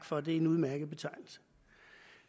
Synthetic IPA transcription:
ɡ̥fɒ̽d̥e̝æenuð̞ˠmæɐɡ̥əð̩ˠb̥e̝t͡sʰɑ̈ɪnl̩sə̥

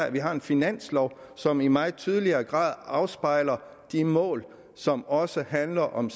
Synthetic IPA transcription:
æʋiɦɑ̈e̝nfinæn̰slɒʊ | sɒ̽mimɑ̈ɪð̩ˠt͡sʰyð̞ˠəliɐːɡ̥ʁɑ̰̈ːð̞ˠɑ̈ʊsb̥ɑ̈ɪ̰lɐ | d̥imɔ̰̽ːl | sɒ̽mɒ̽səɦænlɐʔɒ̽ms

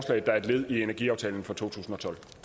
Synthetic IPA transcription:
slɛ̰ɪð̩d̥ɑ̈æɐe̝d̥le̝ð̞̰ˠienæɐɡ̥ḭɑ̈ʊt͡sʰɛːln̩fɒ̽t͡sʰo̝̰ːt͡sʰṵːsn̩ɒ̽t͡sʰɒ̽l̰

